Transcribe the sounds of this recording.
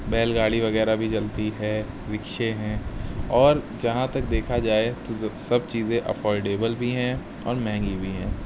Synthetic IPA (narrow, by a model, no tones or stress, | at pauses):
bɛːlɡaːɽiʋɐɣɛːɾabʱid͡ʒɐlt̪iɦɛː | ɾɪkʃeɦɛ̃ːɔːɾd͡ʒɐɦãt̪ɐk̚d̪eːkʰad͡ʒaːet̪osɐbt͡ʃiːzẽʔə̰pʰɔːɾɖeːbəlbʱiɦɛ̃ | ɔ̰ːɾmɛ̃ːŋɡibʱiɦɛ̃ː